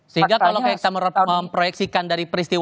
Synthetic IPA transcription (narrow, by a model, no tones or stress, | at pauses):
səɦiŋɡakkalawkajaki̥t̪aməɾəmpɾojɛksikandaɾipəɾist̪iw